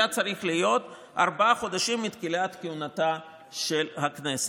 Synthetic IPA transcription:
at͡saɾiχlijo̞t̪ | a̰ɾbaaχo̞d̪aʃimːit̪kilat̪kiunat̪a | ʃelhaknese

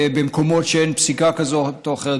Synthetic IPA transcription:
bemko̞motʃeenpsikakazotoaχeʁe

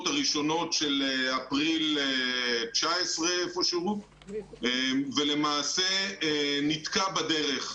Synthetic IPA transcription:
t̪aʁiʃo̞no̞tʃeleapʁilet͡ʃaesʁeefoʃuʁu | evele̞maːse | nit̪kabad̪eʁe̞χ

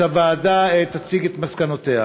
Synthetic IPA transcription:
avaːd̪aet̪at͡siɡet̪maskanot̪eha

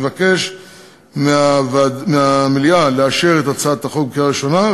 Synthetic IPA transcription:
vake̞ʃ | meavadmeamiljaleaʃeʁet̪at͡sadt̪aχoɡb̚kiaʁiʃo̞na

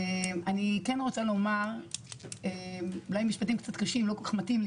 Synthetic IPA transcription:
emanikenʁo̞t͡salo̞maʁ | emulajmiʃpat̪̬imkt͡sat̪kaʃimlo̞kokḁχmatiml

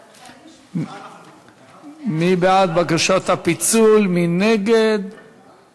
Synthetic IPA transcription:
mibeat̪bakaʃot̪hapit͡sulmineɡed̪

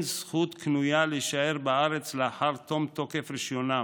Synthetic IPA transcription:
nsχut̪knujaleʃae̞ʁbaaʁet͡sleaħaʁt̪o̞mt̪o̞kefʁiʃjona

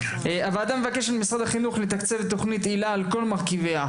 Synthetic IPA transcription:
avalad̪amːevake̞ʃalmisʁad̪haχinuχlet̪akt͡sevet̪o̞χnit̪ilaːlko̞lmaʁkivea

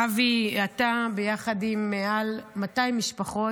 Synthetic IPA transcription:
aviat̪abejaχadimːealmatajmiʃpaχo̞

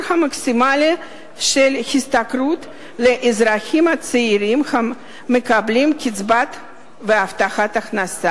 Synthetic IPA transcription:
hamaksʲimali | ʃelxist̪akɾut̪ | leʔizɾaxʲimat͡seiɾimχaː | ekablimkʲit͡sbat̪ | veaft̪aχat̪aχnasa

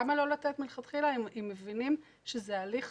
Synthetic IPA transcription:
amalo̞latet̪milχat̪χilaimimːevinim | ʃezealiχ

